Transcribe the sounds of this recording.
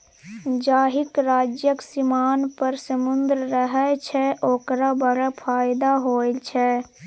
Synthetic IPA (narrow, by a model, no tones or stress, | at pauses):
d͡ʒaːɦɪkɾaːd͡ʒjəksimaːnpəɾsəmʊnd̪ɾəɾəɦɛt͡ʃʰɛʔoːkɾabəɾapʰaːjɪd̪aɦoːt͡ʃʰɛ